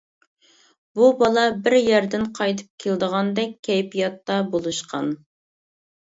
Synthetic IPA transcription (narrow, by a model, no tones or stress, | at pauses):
bubɑlˠɑbɪɾjæɾd̪ɪnqʰɑjt̪ʰɨ̥p̚kʲʰeld̪əʁɑnd̪ɛk̚ʲʰːɛjpʰijɑt̪ːɑbolˠuʃqʰɑ̰n